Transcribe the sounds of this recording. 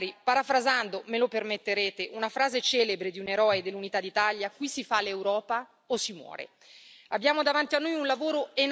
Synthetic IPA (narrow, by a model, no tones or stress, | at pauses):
ɾipaɾafɾazand̪omelopermet̪ːeɾeːt̪eʔunafɾaːzet͡ʃɛːlebɾed̪iuneɾɔːed̪elːunit̪ad̪ːit̪aljakwisifalewɾɔːpa | osːimwɔ̰ːɾḛ | abjaːmod̪avant̪ianːojunlavoːɾoen